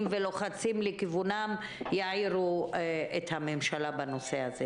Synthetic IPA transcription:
mvelo̞χat͡simlekivunam | jaʕiʁuethamemʃalabano̞sehaze

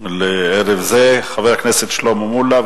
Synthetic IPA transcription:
leeʁevzeχavejakneset̪ʃlommula

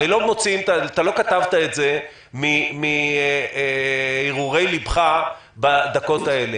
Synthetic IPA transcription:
ilo̞mo̞t͡siimt̪at̪alo̞kat̪avt̪ae̞tze̞ | mimieiʁuʁe̞jlibχa | bad̪ako̞t̪ae̞le

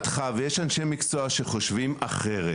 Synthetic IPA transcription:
t̪χavejeʃanʃe̞jmikt͡soaʃe̞χo̞ʃvimaχeʁe

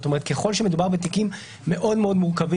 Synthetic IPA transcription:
t̪o̞me̞et̪̚ke̞χo̞lʃeme̞dubaʁbet̪̬ikimː | e̞ʔo̞d̪meo̞d̪muʁkavi

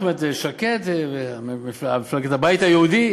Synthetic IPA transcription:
met̪eʃaket̪veaiamiflaɡet̪abajt̪ajeud̪i

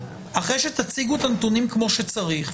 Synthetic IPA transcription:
ʔaχʁejʃet̪at͡siɡuet̪ant̪unimkmo̞ʃet͡saʁiχ

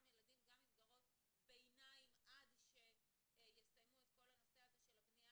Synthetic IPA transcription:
mjeladimɡamisɡaʁo̞t | bejnaimʔadʃe̞ | jest̪ajmuet̪ko̞lanoseazeʃelabnia

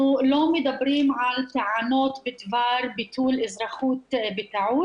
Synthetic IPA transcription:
loːmjd̪abːɾiːmʕalt̪aʕaːnoːt̪bɪt̪vɑːɾˤbɪt̪uːlʔɪzɾˤɑxuːt̪bɪt̪aʕuː

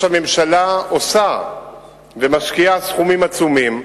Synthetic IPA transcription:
hame̞mʃalaosa | vemaʃkiasχumimat͡sumim

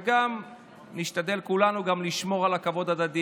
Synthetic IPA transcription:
ɡam | niʃt̪ad̪e̞lkulanuɡamliʃmo̞ʁalakavo̞d̪ad̪ad̪i

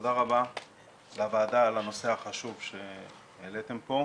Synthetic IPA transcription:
odaʁaba | bavaːdaːlano̞se̞aχaʃuvʃe̞ | elet̪empo̞

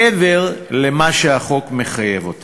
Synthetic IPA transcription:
eveʁlemaʃeaχo̞kme̞χajevot̪

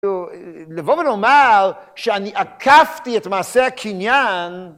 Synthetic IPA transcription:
ulevovenomaʁ | ʃeaniʔakʰaftiɛtmaːseakʰinjan

